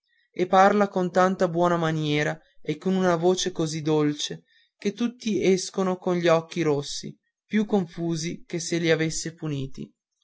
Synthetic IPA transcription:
epːarlakont̪ant̪abwɔːnamanjɛːɾa | ekːonunavoːt͡ʃekozid̪ːolt͡ʃe | ket̪ːut̪ːiɛskonokonʎiɔk̟ːiɾosːḭ | pjukːoɱfuːzikesːeliavesːepuniːt̪ḭ

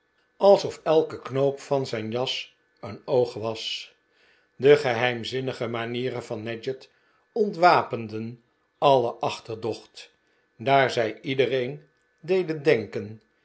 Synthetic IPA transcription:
ɑlˠsɔfɛlˠkəknowpfɑnzɛjnjɑs | ənowχʋɑs | dəχəɦɛjmzɪnəχəmaniːɾənvɑnːɛd͡ʒət | ɔntʋaːpəndən | ɑləʔɑχtəɹdɔχt | daːɹzɛjidərejn | dejdəndɛŋkən

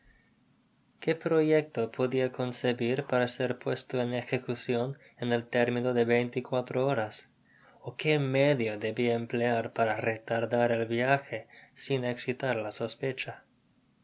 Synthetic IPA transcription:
kepɾojek̚t̪opʰoðiako̞nseβiɾpaɾaseɾpwest̪oenexekusjon | enelt̪eɾminoðeβejnt̪ikwat̪ɾooɾas | okemeðjod̪eβiaempleaɾpaɾaret̪aɾðaɾelβjaxesineksit̪aɾlaso̞spet͡ʃa

